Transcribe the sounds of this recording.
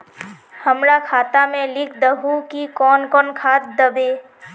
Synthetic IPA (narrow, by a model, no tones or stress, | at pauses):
həmɾakʰaːt̪amẽlɪkʰd̪əɦukikɔːnkɔːnkʰaːt̪̚d̪əbeː